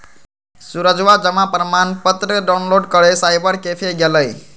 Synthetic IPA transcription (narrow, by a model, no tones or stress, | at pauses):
suɾəd͡ʒʋad͡ʒəmapɾəmanpət̪ɾəɖawnloɖkəɭesajbəɾkefʰeɡeləj